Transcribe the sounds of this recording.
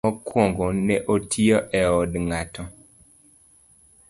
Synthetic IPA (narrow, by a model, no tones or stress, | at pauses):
ɔkwɔŋɡonɛʔotʰiɔʔɛɔdŋatɔ